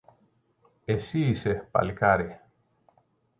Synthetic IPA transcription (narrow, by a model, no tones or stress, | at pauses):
esisepa̰lkaɾe